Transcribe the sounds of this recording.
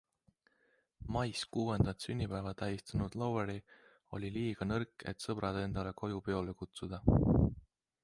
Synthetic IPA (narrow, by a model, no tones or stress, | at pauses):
mɑjskuːe̞nd̪̥ɑt̪synʲːipæevɑt̪æjist̪ɑnud̪̥loweɾi | o̞̰lʲiliːɡ̥ɑnɤrkːˑḛt̪sɤb̥ɾɑd̪e̞nd̪̥ɑle̞ko̞jupe̞o̞le̞kut̪sud̪̥ɑ